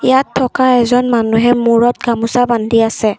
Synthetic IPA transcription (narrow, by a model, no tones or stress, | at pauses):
ijatʰːɔkaɛzɔnmanuɦɛmuɹɔt̚ɡamusabandʱiasɛ